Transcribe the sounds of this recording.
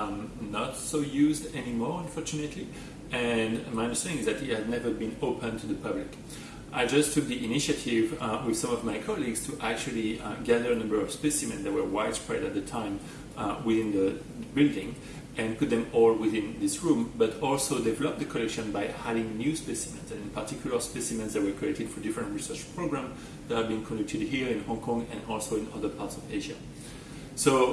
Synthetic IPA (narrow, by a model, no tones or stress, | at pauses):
nətsoʊjʉzdɛnimɔɹə̃nfɔɹt͡ʃunɨtʰli | ɛ̃nmaɪʌ̃ndə˞stɛ̃nɪ̃ŋɪzðætɪt̚hædⁿnɛvə˞bĩnoʊpə̃ntʰuðəpʰʌblɪk | ʔaɪd͡ʒʌstʰʊk̚ðiʔiniʃatʰɪvwɪð̥sʌ̃mʌvmajkʰɑliɡz̥tʰuʔæk̚t͡ʃʉl̩ˠiɡæðə˞ənʌ̃mbə˞ɔv̥spɛsimɛ̃nðæt̚wə˞waɪd̥spɹɛdat̪̚ðətʰãɪ̃m | wɪðɪ̃nðə | bɪldɪ̃ŋ | ʔɛ̃npʊt̪̚ðɛ̃mɔlwɪðɪ̃nðɪsɹũmbʌtɔlsoʊdɛvɛlɔp̚ðəkʰɔlɛkʃə̃nbajhalɪ̃ŋnjʉspɛsimɛ̃nzɛ̃nɪ̃npʰaɹtʰikjulə˞spɛsimɛ̃nzðæt̚wə˞kʰlɛk̚tɨdfɔɹdɪfɹə̃ntɹisɜ˞t͡ʃpʰɹoɡɹãmz | ðætaɹbiɪ̃ŋkʰɔ̃ndɛk̚tʰɨdhiɹɪ̃nhɔ̃ŋkʰɔ̃ŋɡɛ̃nɔlsoʊɪ̃nʌ̰ðə˞pʰaɹtsɔveʒa | so